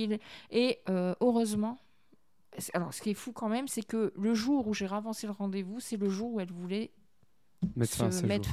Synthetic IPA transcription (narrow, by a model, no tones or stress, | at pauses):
leøøʁøzmɑ̃ | salɔ̰ʁsə̥kʲiɛfukɑ̃mɛmsɛkələʒuʁuʒeʁavɑ̃seləʁɑ̃d̪evusɛləʒuʁuɛlvulɛ | mɛsəmɛt̪